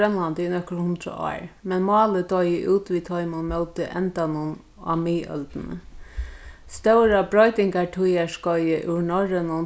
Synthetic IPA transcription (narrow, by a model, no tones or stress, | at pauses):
ɛnlant̪ɪnœkɾhʊnd̪ɾə̰ɔ̰ːɹmɛnmɑːləd̪ɔjəʔuːt̪ʋit̪ʰɔʏmʊnmœlt̪əʔɛ̰nt̪anʊn | a̰miːœ̰lt̪nə̰ | st̪œɾabɾɔjt̪ɪŋkaʈʰujaʂkɔjəʔʉɹnɔɹənʊn